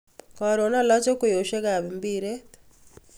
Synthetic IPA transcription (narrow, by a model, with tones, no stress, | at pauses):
kɔ˨ɾo˨na˦lɔ˦t͡ʃe˦ko˨jo˨ʃe˦ɡa˨βi˨mbi˦ɾe˦